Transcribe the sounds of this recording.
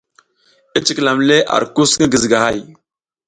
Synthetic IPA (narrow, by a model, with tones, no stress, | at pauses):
e˦t͡ʃi˨kla˨mle˦ʔa̰˨ɾku˦sŋə˦ɡə˨zɡa˨ha˦˨j